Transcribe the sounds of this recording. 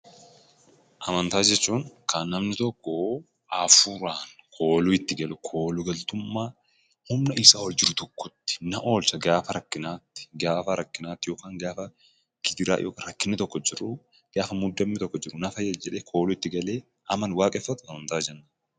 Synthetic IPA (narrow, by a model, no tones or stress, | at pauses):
ʔɐmɐnt̪aːd͡ʒɛt͡ʃːuːŋkʰɐnːɐmnɪt̪ɔkːɔ | afuːɾaːnkʰo̞ːluɪt̪ːɪɡɐlʊkʰo̞ːlʊɡɐlt̪ʊmːaː | hʊmnɐɪsaːwɔld͡ʒɪɾʊt̪ɔkːɔt̪ːɪ̥nɐʔo̞ːlsɐɡaːfɐɾɐkːɪnaːt̪ːɪ̥ɡaːfɐɾɐkːɪnaːt̪ːɪjo̞ːkaːŋɡaːfɐ | ɡ̥ɪd̪ɪɾa̰ːjo̰ːkaɾɐkːɪnɪt̪ɔkːɔd͡ʒɪrʊ | ɡ̥aːfɐmʊd̪ːɐmːɪt̪ɔkːɔd͡ʒɪɾʊnɐfɐjɐd͡ʒɛᶑeːkʰo̞ːlʊɪt̪ːɪɡɐle̞ː | ʔɐmɐnwaːkʼɛfːɐt̪ʊɐmɐnt̪aːd͡ʒɛnːa